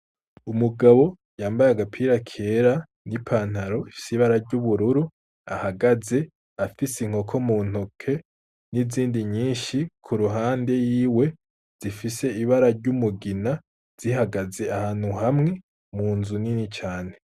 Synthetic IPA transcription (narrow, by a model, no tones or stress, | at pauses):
umuɡaβo̞ | jaːmbajaɡapʰiːɾakʰeɾa | nipʰaːn̥haɾo̞ifi̥seiβaɾaɾɟuβuɾuɾu | a̰haɡaze̞ | afisiŋ̥ho̞kʰo̞muːn̥hokʰe̞ | niziːndiɲiːʃikʰuɾuɦaːnde̞jiːwe̞ | z̥ifise̞iβaɾaɾɟumuɡina | z̥ihaɡaze̞ahaːn̥huhamŋe̞ | muːnzuninit͡ʃaːne̞